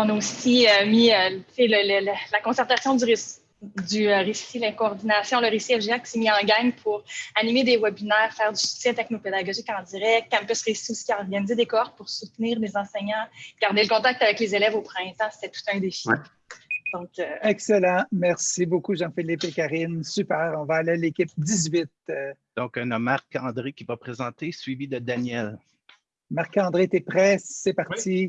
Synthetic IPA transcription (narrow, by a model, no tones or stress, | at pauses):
ɔ̃naosiømiøselələllakɔ̃sɛʁt̪asjɔ̃d̪yʁesi̥ | d̪yøʁesilɛ̃koːʁd̪inasjɔ̃ləʁesiɛfʒeakʲi̥semiɑ̃ɡaŋpʰuʁanimed̪ewɛbinɛːʁfɛːʁd̪ysy̥ksɛt̪ɛknoped̪aɡɔʒikɑ̃d̪iʁɛk̚t̪̚ːɛ̃mpɛsʁesiusi̥ɔʁɡanized̪ekɔʁ̚puʁsut̪niːʁlezɑ̃seɲɑ̃ɡ̥aʁd̪eləkɔ̃t̪ak̚t̪avɛklezelɛvopχɛ̃t̪ɑ̃st̪ɛt̪u̥t̪ɛ̃d̪efi | d̪̥ɔ̃køɛkselɑ̃mɛʁsibokuʒɑ̃felɪpekʲaʁɪnsypɛːʁɔ̃vaːlalekʲɪp̚d̪izɥɪt̪̚ | d̥̪ɔ̃kɔ̃nɔmaʁkɑ̃d̪ʁekʲivapʁezɑ̃t̪esɥivid̪əd̪anjɛl | maʁkɑ̃d̪ʁet̪ɛpʁɛːɛpaʁt͡si